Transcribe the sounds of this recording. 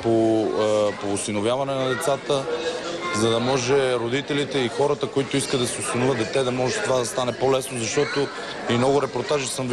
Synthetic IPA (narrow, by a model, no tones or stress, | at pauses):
po | poːsinovjavɐnɛnɐd̪ɛt̪sat̪ə | zɐd̪ɐmɔʒɛɾod̪it̪ɛlit̪ɛixɔɾət̪əkoit̪ʊiskəd̪ɐsɛʊsinovʲəd̪d̪ɛt̪ɛd̪ɐmɔʒɛt̪ovad̪ɐst̪anɛpolɛsnozɐʃt̪ɔt̪o | imnɔɡʊɾɛpoɾt̪aʒisɤmv